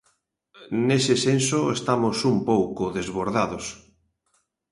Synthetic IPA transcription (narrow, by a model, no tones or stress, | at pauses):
nesɪsensoest̪amʊsumpowkʊðezβoɾðaðʊs